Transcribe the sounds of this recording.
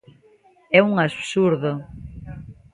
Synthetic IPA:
ɛuŋasuɾðo

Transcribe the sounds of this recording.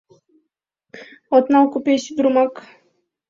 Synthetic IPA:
ɔt̪nawkupʲeɕid̪ɾumak

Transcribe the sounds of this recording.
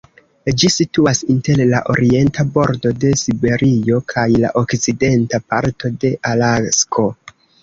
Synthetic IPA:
d͡ʒisituasinte̞ɾlaʔo̞̰ɾie̞ntabo̞ɾdo̞de̞sibe̞ɾio̞kʰajla̰ʔo̞kt͡side̞ntapa̰ɾto̞de̞ʔalaskʰo̞

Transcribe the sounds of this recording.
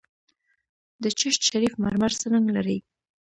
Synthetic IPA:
d̪ət͡ʃɪʃt̪ʃaɾifma̰ɾmaɾsənəŋɡlaɾəj

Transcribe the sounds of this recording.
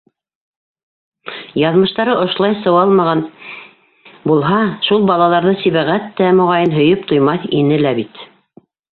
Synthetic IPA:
jɑðmɤ̆ʃt̪ɑɾɤʔŏʃ̆lˠɑjsɤ̆wɑlˠmɑʁɑn | bulˠɦɑʃulˠbɑlˠɑlˠɑɾðɤsiβæʁæt̪ːæmŏʁɑjɤnɦɵ̆jɤpt̪ʰŏjmɑθinɘlæbit̪

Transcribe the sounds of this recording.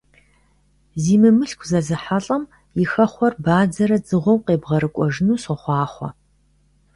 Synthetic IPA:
ziːmɨmɨɬkʷʰzɐzɨħaɬʼɐm | jɪxɐχʷɔrbaːd͡zɐɾɐd͡zɨʁʷɔwqeːbʁɐɾɨkʷʼɔʒɨnuːsɔχʷɑːχʷɔ̰

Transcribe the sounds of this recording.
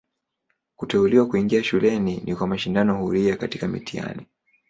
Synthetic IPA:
kutɛuliwakuiŋɡiaʃulɛninʔikwamaʃindanɔhuɾiakati̥kamḭtia̰ni

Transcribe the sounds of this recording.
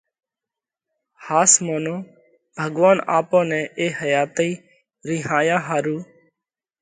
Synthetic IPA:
haːsmoːnõː | bʱəɡʋaːnaːpõːnɛ̃ːʔeːhəjaːt̪iː | ɾiːɦãːjãːɦaːɾuː

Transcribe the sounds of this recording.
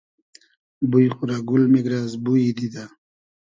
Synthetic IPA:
bujxuɾaɡulmiɡɾazbujid̪id̪a

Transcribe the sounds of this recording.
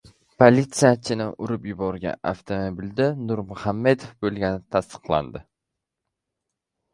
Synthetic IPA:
pʰolʲit̪sijat͡ʃʰɪnɪʔʊɾʊpjʊbɒɾɡʲa̰a̰ft̪ʰomobild̪anʊɾmʊhamːed̪ofbolˠɡʲanɪt̪ʰast̪ɨ̥qlˠa̰nd̪ɪ

